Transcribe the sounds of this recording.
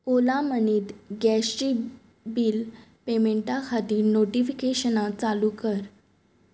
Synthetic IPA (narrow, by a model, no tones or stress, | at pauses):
olaməniːt̪ɡɛɕʈi | biːlpemeɳʈakʰat̪iːɾnoʈifikeɕənat͡salukəɾ